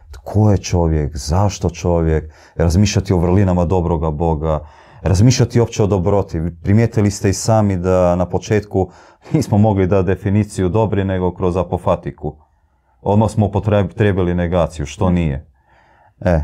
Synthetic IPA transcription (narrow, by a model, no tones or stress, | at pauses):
t̪kʰo̞jet͡ʃo̞ʋjekzaʃt̪o̞t͡ʃo̞ʋjek | ɾazmiːʃʎʲat̪io̞ʋr̩linamad̪o̞bɾo̞ɡabo̞ɡa | ɾazmiːʃʎʲat̪io̞pt͡ɕeo̞d̪o̞bɾo̞t̪ipɾimjet̪ilist̪eisaːmid̪anapo̞t͡ʃeːt̪ku | niːsmomo̞ɡlid̪at̪̚d̪e̞finiːt̪sijud̪o̞bɾine̞ɡo̞kɾo̞zapofat̪iku | o̞d̪maxsmoupot̪t̪ɾeːbilineɡaːt̪sijuʃt̪o̞nije | e